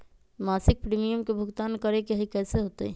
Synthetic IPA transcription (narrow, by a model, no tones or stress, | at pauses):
maːsɪk̚pɾiːmijəmkebʱʊɡt̪aːnkəɾekeɦikɛːseɦoːt̪eɛ